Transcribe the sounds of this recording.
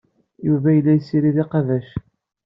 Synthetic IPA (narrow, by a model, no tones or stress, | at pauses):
juvæjəlːæjsiɾiðiqɑðæʃ